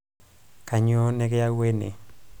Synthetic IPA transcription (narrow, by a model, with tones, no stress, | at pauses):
ka˨ɲo˦nɛ˦kɪ˦ja˦we˦nḛ˨